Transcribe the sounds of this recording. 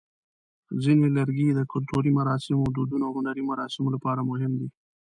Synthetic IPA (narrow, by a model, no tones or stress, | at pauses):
zinwelaɾɡid̪əkʊlʈoɾimaɾɑsɪmod̪ud̪unoaɦʊnaɾimaɾɑːsɪmolapɑɾamʊɦɪmd̪i